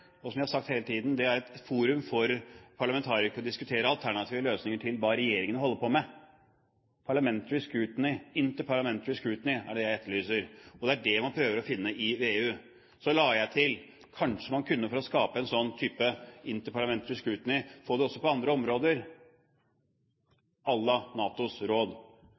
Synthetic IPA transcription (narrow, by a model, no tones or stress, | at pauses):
ɔsɔmæɪhɑɾʂɑkt̪heːlət̪ʰiːd̪nd̪ɛæɾɛt̪fuːɾʉmfɔɾpʰɑɭɑmɛnt̪ʰɑːɾɪkɔd̪ɪskʉt̪ʰeːɾəɑlt̪ʰæɳɑt̪ʰiːʋəløːsnɪŋəʈʰɪlʋɑɾɛjeːɾɪŋənəhɔlːəɾpɔmɛ | pʰɑɭɑmɛnt̪əɾɪskʉːt̪nɪɪnt̪əɾpʰɑɭɑmɛnt̪əɾɪskʉːt̪nɪæ̰ɖɛjæɪɛt̪ːəɭyːsəɾɔd̪ɛæɖɛmɑnpʰɾøːʋəɾɔfɪnːəʔɪʋeːʉː | sɔlɑːjæɪt̪ʰɪl | kʰɑnʂəmɑnkʰʉnːəfɔɾɔskɑːpəɛnsɔnːt̪ʰyːpəɪnt̪əpʰɑɭɑmɛnt̪əɾɪskʉːt̪nɪfoːd̪ɛɔsːɔpɔɑnd̪ɾəɔmɾoːd̪əɾ | ɑlːɑnɑːt̪ʊsɾoːd̪